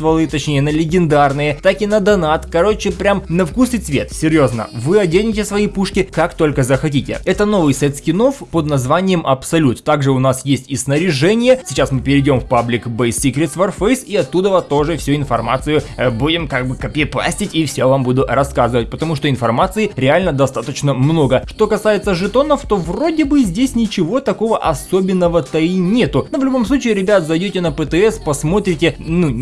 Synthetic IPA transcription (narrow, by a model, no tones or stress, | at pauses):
t̪vɐlˠɨt̪ɐt͡ɕnʲejənəlʲɪɡʲɪnd̪arnɨjət̪akʲɪnəd̪ɐnat̪kɐɾo̞t͡ɕːɪpɾʲamnɐfkusɨt̪svʲe̞t̪sʲɪɾʲjo̞znə̰vɨɐdʲenʲɪtʲɪsvɐipuʂkʲɪkakt̪o̞lʲkəzəxɐtʲitʲɪ̰ɛt̪əno̞vɨjsʲɛt̪skʲɪno̞fpəd̪nɐzvanʲɪjəmʔɐpsɐlʲut̪ːaɡʐɨʊnasjesʲtʲisnəɾʲɪʐɛnʲɪjəsʲɪt͡ɕasmɨpʲɪɾʲɪdʲo̞mfpablʲɪkbɛjsʲikɾʲɪt̪svɐrfejsiɐt̪ːud̪əvɐt̪o̞ʐɨfsʲuɪnfɐrma̰t̪sɨjʊbudʲɪmkaɡ̚bɨkəpʲɪplˠa̰sʲtʲɪtʲifsʲovambud̪ʊrɐskazɨvət̚ʲpət̪ɐmuʂt̪o̞ɪnfɐrmat̪sɨɪɾʲɪalʲnəd̪ɐst̪at̪ət͡ɕnəmno̞ɡəʂt̪o̞kɐsajɪt̪səʐɨt̪o̞nəft̪o̞vro̞dʲɪbɨzʲdʲesʲnʲɪt͡ɕɪvo̞t̪ɐko̞vəʔɐso̞bʲɪnːəvət̪əinʲe̞t̪ʊnovlʲʊbo̞mslˠut͡ɕiːɾʲɪbʲat̪zɐjdʲotʲɪnəpɛt̪ɨɛspɐsmo̞t̪ɾʲɪtʲɪnu